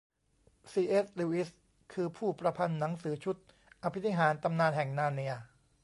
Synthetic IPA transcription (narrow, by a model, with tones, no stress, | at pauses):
siː˧ʔeː˦˥s̚luː˧˩ʔi˦˥s | kʰɯː˧pʰuː˥˩pɾa˧pʰa˧nːa˩˦ŋsɯː˩˦t͡ɕʰu˦˥t̪̚ | ʔa˧pʰi˦t̪ʰːi˦˥ɦaː˩˦nt̪a˧mnaː˧nɦɛ˨˩ŋnaː˧ni˧ɐ